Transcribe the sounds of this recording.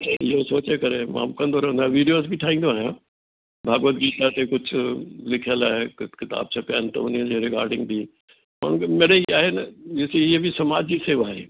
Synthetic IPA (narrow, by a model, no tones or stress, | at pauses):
iɦosoːt͡ʃekɐɾem̰ːmkɐ̃nd̪oɾɐɦə̃nd̪aʋiːɖijoːzbʱiʈʰaːɦĩːnd̪oaːɦjõ | bʱaːɡʋət̪̚ɡiːt̪at̪ekʊt͡ʃʰʊlɪkʰjəlaːɦekɪt̪a̰ːb̚t͡ʃapa̰ːnt̪ɐ̰ʊniə̃d͡ʒeɾɪka̰ːɾɖɪ̃ŋɡ̚t̪iː | ma̰n̤ũkmeːɽeiaːɦenɐɪseebʱisɐmaːd͡ʒd͡ʑiseːʋaːɦeː